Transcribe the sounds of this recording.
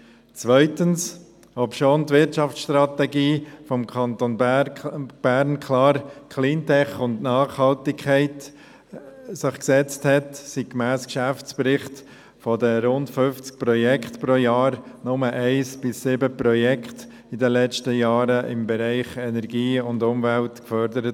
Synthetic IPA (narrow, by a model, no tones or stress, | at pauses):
t͡sʋœʏtəns | ɔpʃoːntvɪɾtt͡ʃɑft͡ssʃtɾɑtɛɡiːfɔmkʰɑnt̪on | b̥æɾnkʰlɑːɾkʰliːntʰɛχʊntnɑːχhɑltɪkʰɛɪt | sɪχksɛt͡sthɛtsikmæːskʃæft͡spɾɪχt | fɔdəɾʊntfʏft͡sk̚pɾɔjɛkχtpɾoːjɑːɾnʊməʔæɪsb̥ɪsːɪbəprɔjɛkχt | ɪdəlɛt͡ʃtəjɑːɾəʔɪmbɛɾɛɪχɛnɛɾɡiːʊndʊmvæltkfœɾdəɾət